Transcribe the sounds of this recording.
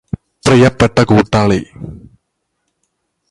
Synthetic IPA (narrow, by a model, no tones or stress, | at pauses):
prijɐpːeʈːɐkuːʈːaːɭi